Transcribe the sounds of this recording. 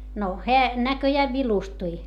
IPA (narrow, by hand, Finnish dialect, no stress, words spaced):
no heæ nækøjæːʋ ʋilustui